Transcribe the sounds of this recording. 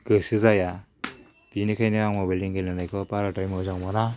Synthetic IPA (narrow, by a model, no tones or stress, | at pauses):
ɡɯsɯzaja | b̥inikʰajnɯaŋmabeliŋɡɯnanajkʰɔpaɾatajmɯzaŋmɔna